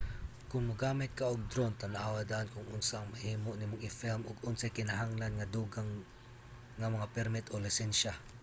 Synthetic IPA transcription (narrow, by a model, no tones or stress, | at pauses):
kʊŋmɐɡaːmɪt̪̚kaʔʊɡ̚d̪ɾont̪anaʔaːwad̪aʔankʊŋʔʊnsaːŋmahiːmoʔnimʊŋɪfɛlmʔʊɡʊnsajkɪnaɦaŋlanŋad̪uːɡaŋː | amɐŋapɛɾmɪt̪ʔolɪsɛnʃa